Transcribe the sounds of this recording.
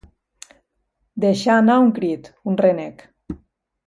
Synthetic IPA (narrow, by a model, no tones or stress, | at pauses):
d̪eʃaːnauŋkɾit̪unrenɛk